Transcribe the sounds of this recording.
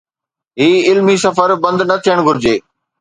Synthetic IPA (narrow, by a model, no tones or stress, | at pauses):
ɦiːɪlmisɐfəɾbɐ̃nd̪nɐt̪ʰijəɽ̃ɡʱʊɾɪd͡ʑeː